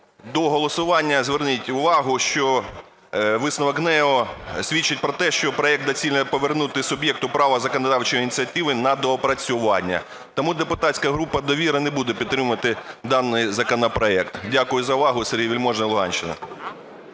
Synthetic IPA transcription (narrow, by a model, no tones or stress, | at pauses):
d̪ɔɦɔlˠɔsʊʋɑnʲːɐzʲʋernɪtʲʊʋɑɦʊʃt͡ʃɔ | ʋɪsnɔʋɐkɦnɛɔsʲʋʲit͡ʃːɪt̚ʲpɾɔt̪ɛʃt͡ʃɔpɾɔɛkt̪ɐt͡sʲilʲnɛpɔʋernut̪ɪsʊbʲjɛk̚t̪ʊpɾɑʋɐzɐkɔnɐd̪ɑwt͡ʃɔjinʲit͡sʲiɐt̪ɪʋɪnɐd̪ɔːpɾɐt͡sʲʊʋɑnʲːɐ̰ | t̪ɔmud̪epʊt̪ɑtʲsʲkɐɦɾupɐd̪ɔʋʲiɾɐnɛbud̪ɛpʲid̪t̪ːɾɪmʊʋɐt̪ɪd̪ɑnːɪjzɐkɔnɐpɾɔɛkt̪dʲakʊjʊzɐʊʋɑɦʊseɾʲiʋʲilʲmɔʒnɐlˠʊɦɑ̰nʲʃt͡ʃɪnɐ̰